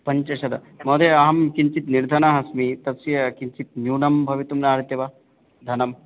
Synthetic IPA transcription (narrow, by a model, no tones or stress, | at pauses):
pɐɲt͡ʃɐʃɐd̪ɐ | moːd̪eɐɦɐmkiɲt͡ʃit̪niɾd̪ʱɐnaɦɐsmit̪ɐsijɐkint͡ʃit̪̚njuːnɐmbʱɐʋit̪umnaːɾit̪jɐʋɐ | d̪ʱɐnɐm